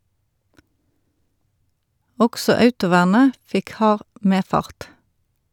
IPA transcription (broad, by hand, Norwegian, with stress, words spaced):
ˈɔɡsɔ ˈœʉtʊˌʋæːʁnə ˈfɪk ˈhɑːʁ ˈmeːˌfɑʁt